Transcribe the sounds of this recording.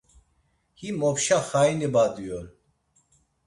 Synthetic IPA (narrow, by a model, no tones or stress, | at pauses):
himɔpʃaχajnibad̪ujɔl